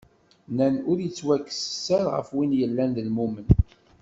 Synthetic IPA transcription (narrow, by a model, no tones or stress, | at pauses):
nænʊɾjət͡sːwækːə̥sə̥sːæɾʁə̰fwinjəlːænðəlmumən